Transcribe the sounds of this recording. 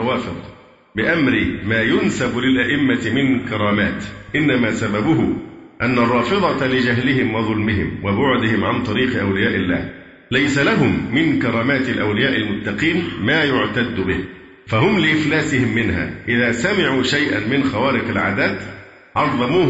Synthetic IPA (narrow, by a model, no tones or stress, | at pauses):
waːfɪðˤ | bɪʔamɾɪmaːjʊnsablɪlʔaʔɪmːat̪mɪnkɑɾˤɑːmaːt̪ʔɪnːamaːsababʊɦʊʔanːarˤːɑːfɨðˤɑlɪd͡ʒaɦlɪɦɪmwɑðˤʊlmbɪɦɪ̰mwabʊʕd̪ɪhɪmʕant̪ˤɑɾiːqɪʔawlɪjaːʔɪlːa̰ːh | lajsalaɦʊmːɪnkɑɾˤɑːmaːt̪ɪlʔawlɪjaːʔɪlmʊt̪ːɑqiːnmaːjʊʕt̪ad̪ːʊbɪh | faɦʊmlɪʔɪflaːsɪhɪmːɪnɦa̰ːʔɪðaːsamɪʕuːʃajʔa̰nmɪnxawaːɾɪqalʕa̰d̪aːd̪ | ʕɑɾˤðˤɑmuː